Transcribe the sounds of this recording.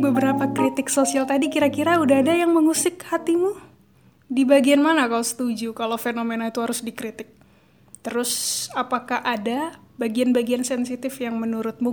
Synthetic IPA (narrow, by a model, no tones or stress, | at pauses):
bəbəɾapakɾit̪ɪksosialt̪adikiɾakiɾaudaɦadajaŋməŋusɪkhat̪imu | dibaɡianmanakalosə̥t̪ud͡ʒukalofenomenait̪uɦaɾʊsdikɾit̪ɪk̚ | t̪əɾʊsapakahʔada | baɡianbaɡiansɛnsit̪ɪfjaŋmənuɾʊt̪̚mu